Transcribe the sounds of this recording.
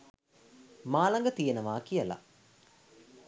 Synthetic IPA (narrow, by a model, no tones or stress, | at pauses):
maːlaŋɡət̪ijenəʋaːkijəla̰